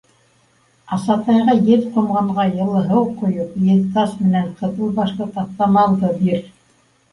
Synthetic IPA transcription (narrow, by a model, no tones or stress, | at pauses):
ɑsɑt̪ɑjʁɑjɘðqŏmʁɑɴʁɑjɤ̆lˠɤ̆ɦɤwqŏjopjɘðt̪ɑsmɘ̆næɴqʰɤ̆ðɤlˠbɑʃlˠɤt̪ɑp̚t̪ɑmɑlˠd̪ɤbiɾ